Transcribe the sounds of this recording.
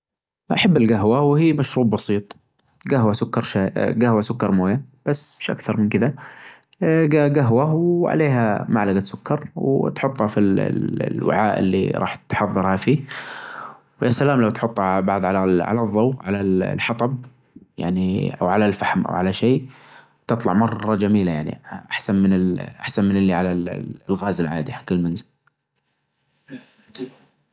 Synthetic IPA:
ʔaħabːɪlɡaɦwawhiːmaʃɾuːbbɑsˤiːt̪ˤ | ɡaɦwasʊkːɑɾˤʃaɡahwasʊkːɑɾˤmoːjab̥asːmɪʃʔa̰kθɑɾˤmɪnkɪða | ɡaɡaɦwawʕa̰leːɦa̰maʕlaɡat̪sʊkːɑɾˤwt̪ħʊt̪ˤːhɑfil̰lwɪ̰ʕaːʔɪ̰lːḭɾˤɑ̰ːħt̪ħɑðˤːɑɾˤhafiː | wjasalaːmlawt̪ħʊt̪ˤːhɑʕalbɑʕðˤʕalaʕa̰laðˤːɑwʕalallħɑt̪ˤɑb̚ | ja̰ʕniʔa̰wʕalalfaħmʔa̰wʕalaʃeː | t̪ɨt̪ˤlɑʕmɑrˤːɑd͡ʒamiːlajaʕnḭʔa̰ħsanmɪnɪlʔa̰ħsanmɪnɪlːiʕalalɣaːzɪlʕa̰ːd̪ihakɪlːmanzɪl

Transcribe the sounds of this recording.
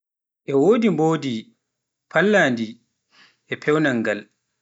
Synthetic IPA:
ʔɛwoːdimboːdi | pʰalːaːndi | ʔɛpʰɛwnaŋːɡal

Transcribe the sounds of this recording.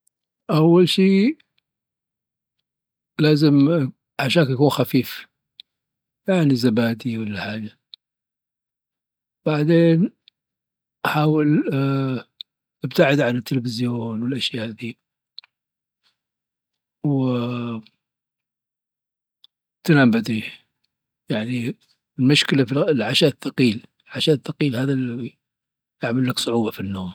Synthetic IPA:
ʔawːalʃiː | laːzɪm | ʕaʃaːnkjakuːnxafiːf | jaʕnizabaːd̪iwɪlːaħaːd͡ʒa | b̥aʕd̪eːn | ʔaħaːwɪl | ʔɪbt̪aʕɪd̪ʕanɪt̪ːɪlfɪzjoːnwɪlʔaʃjaːʔʔd̪iː | w | t̪anambad̪i | jaʕni | lmʊʃkɪlafilʕaʃaːʔθːɑqiːlɪlʕaʃaːθːɑqiːlhaːðali | jaʕmalːaksˤʊʕuːbɑfinːoːm

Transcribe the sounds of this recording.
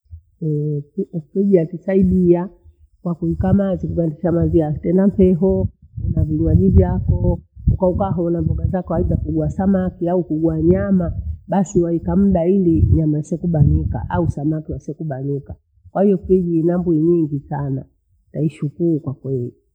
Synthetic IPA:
ɛ | kiʄiatisaiɗia | kwakuikamazikuɓandiʃamaziatɛndam̩pɛɦɔunaviliwaʄivjakɔukaukaɦɔnavɔɡazakɔwaiɓakuɡuasamakiaukuɡuaɲamaɓasiwaikam̩ɗailiɲamaisɛkuɓanika̰ʔausamakiwasiɛkuɓanika | kwahijɔpiʄinambuiɲiŋɡisana | taiʃukuɾukwakwɛli

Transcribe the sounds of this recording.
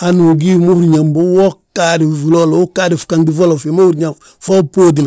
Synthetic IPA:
anuɡimohuɾɲambowokːadivulolowukadifu̥kaŋdivolofemohuɾɲa | fopoːdina

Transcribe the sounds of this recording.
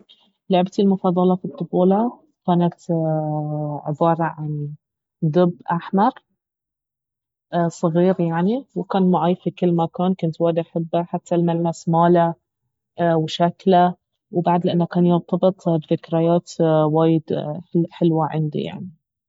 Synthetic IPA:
lʊʕbt̪ɪlmʊfɑːðˤɑlɑfit̪ˤːʊfoːlɑ | kaːnat̪ | ʕɪbɑːɾˤɑʕan | d̪ɪbːʔaħmɑɾˤ | sˤɨɣiːɾjaʕniwɪkaːnmʊʕijfikɪlːmakaːnkʊnt̪waːd̪ʔaħabːaħat̪ːalmalːasmaːla | wʃakla | wbaʕd̪lɪʔɪnːakaːnjɪɾt̪ˤɑbɨt̪ˤbðɪkɾajaːt̪waːjɪd̪ħɪlwaʕɪ̰nd̪ḭja̰ʕni

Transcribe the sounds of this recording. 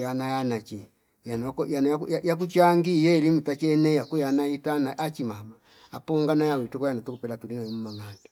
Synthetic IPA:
janajanat͡ʃi | jankjanajakjajak̬ut͡ʃaŋɡijɛilimutat͡ʃɛnɛjakujanaitanaʔat͡ʃimama | apɔŋɡanajawitukɔjanatukupɛlatulinaɛmumaŋandḁ

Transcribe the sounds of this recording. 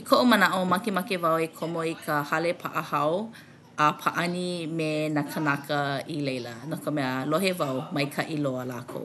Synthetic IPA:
ikʰoʔomənaʔomɐkemɐkevawekʰomoikʰəhɐlepʰa̰ʔəhɐw | ʔɐpʰaʔɐnimenakʰənakʰəilejlə̰nokəmɛəlohevɐwmɐjkʰɐʔiloəla̰ːkʰo̰w

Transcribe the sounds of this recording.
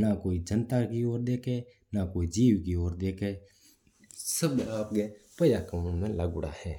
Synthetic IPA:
nakoːid͡ʒənt̪akioːɾd̪eːkʰeː | nakoːid͡ʒiːʋkioːɾd̪eːkʰeː | səbaːpɡepəjakəmũmẽləɡʊɽa̰hɛː

